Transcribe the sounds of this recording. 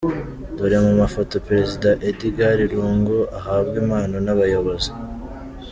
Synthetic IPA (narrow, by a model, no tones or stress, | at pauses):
d̥uɾemumafo̞to̞peɾe̞zidaʔediɡaɾiɾuːŋɡuʔaɦaːβɡimaːnonaβajo̞βo̞zi